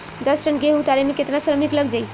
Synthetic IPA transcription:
d̪ʌsʈənɡeɦut̪aɾemeket̪nasɾəmikləɡd͡ʒaj

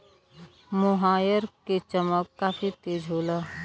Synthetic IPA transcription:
mʊɦaːjəɾket͡ʃəməkːaːfʰit̪eːd͡ʒɦoːlaː

